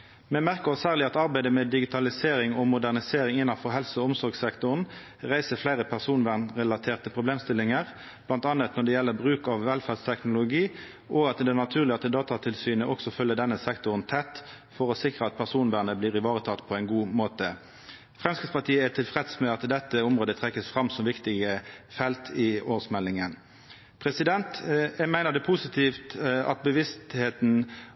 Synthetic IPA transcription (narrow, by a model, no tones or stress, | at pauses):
mɛmæʁkəɔsæːʁlɪɑt̪ɑʁbæɪd̪əmɛd̪ɪɡɪt̪ʰɑlɪseːʁɪŋɔmʊd̪æʁnɪseːʁɪŋɪnːɑfɔɦɛlsəɔʊmsɔʁɡsɛkt̪ʊʁn | ʁæɪsəflæɪʁəpʰæʁsuːnʋæʁnʁɛlɑt̪ʰeːʁt̪ʰəpʰʁʊbleːmst̪ɪlːɪŋəʁ | b̥lɑnt̪ɑnət̪nɔɖ̪ɛjɛlːəʁbʁʉːkɑʋʋɛlfæʁst̪ʰɛknʊlʊɡiː | ʔɔɡɑt̪d̪ɛnɑt̪ʰʉːʁlɪɑt̪d̪ɑːt̪ɑt̪ʰɪlsyːnəʔɔksɔfœlːəd̪ɛnːəsɛkt̪ʊʁənt̪ʰɛt̪ː | fɔʁɔsɪkɾʁəɑt̪̚pʰæʁsuːnbæːʁnəbliːʁɪʋɑːʁət̪ʰɑt̪ːpʰɔɛɪnɡuːmoːt̪ə | fʁɛmskɪt̪spɑʁt̪ʰiːəæt̪ʰɪlfʁɛd̪smɛɑt̪d̪ɛt̪ːəʊmʁoːd̪ət̪ʰʁɛkːəsfʁɑmsɔmʋɪkt̪ɪɡəfɛlt̪ʰɪoːʁsmɛlːɪŋən | pʰʁɛsɪd̪ɛnt̪mæɪnəʁd̪ɛpʰʊsɪt̪ʰiːft̪ɑ̰t̪̚bəʋɪst̪heːt̪n̩